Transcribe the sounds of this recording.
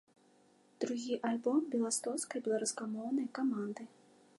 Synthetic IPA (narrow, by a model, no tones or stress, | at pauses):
d̪̥ɾuɣʲiʔalʲbɔmbʲɛlˠast̪ɔskɐjbʲɛlˠaɾuskamɔwnɐjkamand̪ɨ